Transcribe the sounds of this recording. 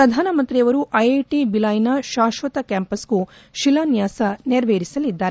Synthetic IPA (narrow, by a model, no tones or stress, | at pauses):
pɾɐd̪ʱaːnɐmɐnt̪ɾijɐʋɐɾuʔɐjeʈibilɐːjnɐʃaːʃʋɐt̪ɐkaːmpɐsɡu | ʃilaːnjaːsɐneɾʋeːɾisɐlid̪ːaːɾe